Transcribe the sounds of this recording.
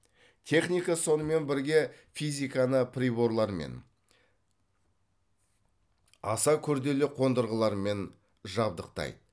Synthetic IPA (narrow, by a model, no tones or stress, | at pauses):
t̪ʲʰe̞χnijkaso̞nəme̞nbɪɾɡʲe̞ | fijzʲijkɑnəpʰɾʲibo̞ɾlˠɑɾmḛn | ɑ̰sɑkʲʰɵɾd̪e̞lɪqʰo̞nd̪əɾʁəlˠɑɾme̞n | ʒɑb̚d̪əqt̪ɑ̰jd̪ə